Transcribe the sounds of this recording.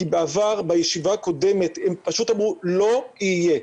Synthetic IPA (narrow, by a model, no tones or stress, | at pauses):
kibeavaʁbajeʃivaːko̞de̞met̪empaʃutamʁulo̞ije